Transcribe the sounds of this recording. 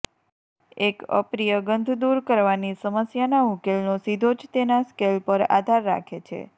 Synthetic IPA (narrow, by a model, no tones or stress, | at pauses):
ekə̰pɾijəɡənd̪ʱd̪uɾkəɾʋanisəməsjanamʊkelnosid̪ʱod͡ʒt̪enaskelpəɾa̰d̪ʱaɾːa̰kʰet͡ʃʰḛ